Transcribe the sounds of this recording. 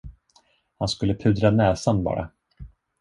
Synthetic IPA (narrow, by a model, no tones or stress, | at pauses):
hanskɵlːəpʰʉ̟ːd̪ɾanɛːsanbɑ̰ːɾa̰